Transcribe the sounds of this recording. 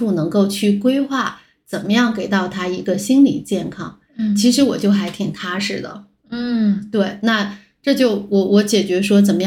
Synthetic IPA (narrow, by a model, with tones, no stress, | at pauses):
u˥˩nɤ˧˥ŋko˥˧ʊt͡ɕʰy˥˩kwe˥ɪxwa˥˩ | t͡sə˨˩nmə˦jɑ˥˩ŋke˨˩ɪt̪ɑ˥˩ʊt̪ʰa˥i˧˥ɡə˧ɕi˥nli˨˩t͡ɕjɛ˥˩nkʰɑ˥ŋ | t͡ɕʰi˧˥ʂɻ̩˧˥wɔ̰˨˩t͡ɕjo˥˩ʊxa˧˥ɪt̪ʰi˨˩ŋt̪ʰa˥ʂɻ̩˥˩d̪ə̰˩ | n̩˥˩t̪we˥˩ɪna˥˧ | ʈ͡ʂɤ˥˧t͡ɕjo˥˩ʊwɔ˧˥wɔ˧˥t͡ɕjɛ˨˩t͡ɕɥɛ˧˥ʂwɔ˥t͡sə˨˩nmə˦j